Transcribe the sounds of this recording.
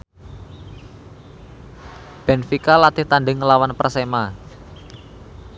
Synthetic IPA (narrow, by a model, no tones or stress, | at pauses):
b̥ɛ̤nfikalat̪ɪht̪aɳɖɪŋːəlawanpərsema